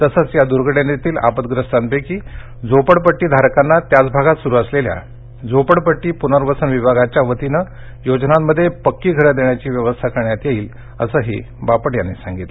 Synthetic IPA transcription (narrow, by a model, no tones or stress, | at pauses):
t̪əsət͡sjad̪uɾɡəɽjanet̪iːla̰pət̪ɡɾəst̪anpekiː | d͡zopəɽpəʈːiːd̪ʱaɾkanːat̪jat͡sbʱaɡat̪suɾuːəslelja̰ | d͡zopəɽpəʈːiːpunəɾʋəsənʋibʱaɡat͡ɕjaʋət̪inə | jod͡ʑnamːəd̪ʱːjepəkːiːɡʱəɾəd̪eɳjat͡ɕiːʋjəʋəst̪ʰakəɾɳjat̪jeiːl | ə̰səːɦḭ | bapəɽjanːesaŋɡit̪l